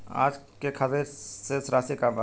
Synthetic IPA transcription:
a̰d͡ʒkekʰəbesesɾasikab

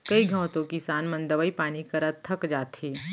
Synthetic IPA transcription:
kɐiɡʱɐ̃ːt̪õkisaːnmɐ̃nd̪əʋəipaːnikɐɾət̪ʰːəkd͡ʒaːt̪ʰiː

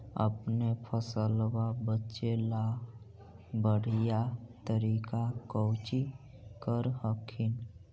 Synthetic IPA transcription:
ə̰pnepʰəsəlwabətːʃela | bəɽ̤ijat̪əɾikakəwt͡ʃi | kəɾɦəkʰin

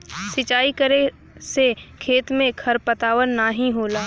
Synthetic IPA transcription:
sɪt͡ʃaːikəɾe | sekʰeːt̪mẽkʰɐɾpət̪aːʋənːaːɦĩɦoːlaː

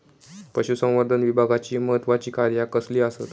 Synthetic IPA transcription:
pəɕusə̃w̃ʋəɾd̪ʱənʋibʱaɡat͡ɕiːməɦət̪ʋat͡ɕiːkaɾjakəsliːasət̪

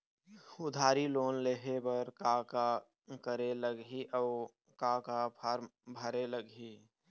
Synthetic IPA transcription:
ʊd̪ʱaːɾiloːnleɦebəɾkaka | kəɾeləɡiʔɔːʊ | kakapʰaɾmbʱəɾeləɡɦi

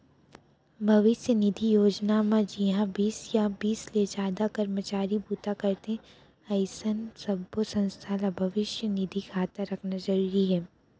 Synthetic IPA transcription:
bʱɐʋɪʃjənɪd̪ʱijoːd͡ʒnamãd͡ʒiɦãbiːsjabiːsled͡ʒaːd̪akɐɾmət͡ʃaːɾibuːt̪akɐɾt̪ẽ | ɐɪsənsɐbːosɐ̃nst̪ʰalabʱɐʋɪʃjənɪd̪ʱikʰaːt̪aɾɐkʰnazɐɾuːɾiɦɛː

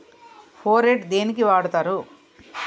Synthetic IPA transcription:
pʰoːɾeʈd̪e̞ːnikiʋaːɽut̪aːɾu

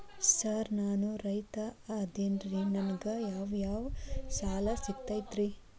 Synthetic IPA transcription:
sɐɾnaːnuɾɐjt̪ɐɐd̪eːnɾinɐnɡɐjaːʋjaːʋsaːlɐsik̚t̪ajt̪ɾi

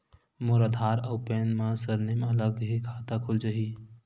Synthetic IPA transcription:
mʊɾəd̪ʱaːɾɐwpeːnmãsəɾnimɐləɡɦikʰaːt̪akʰʊld͡ʒaɦiː

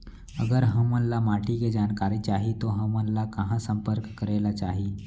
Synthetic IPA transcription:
əɡəɾɦə̃mənlamaʈiɡed͡ʑankaɾit͡ɕaɦit̪oɦə̃mənlakaɦãsəmpəɾkkəɾajlat͡ɕaɦi

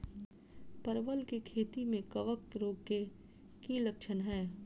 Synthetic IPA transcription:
pɐɾʋəlkikʰeːt̪imẽkɐʋək̚ɾoːɡ̚ke | kilɐkʃənɦɛː

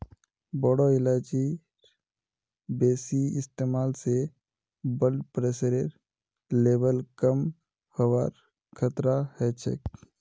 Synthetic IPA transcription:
bɔːɽoɪlaːd͡ʒi | beːsiɪst̪eːmaːlse | bəlɖpɾeːsɾeɾ | leːbəlkəm | həwaːɾ | kʰət̪ɾahɛt͡ʃʰḛk

